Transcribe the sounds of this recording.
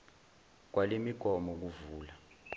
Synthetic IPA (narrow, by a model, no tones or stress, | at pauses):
k̬walemiɡ̥ʱɔmɔk̬uvuːla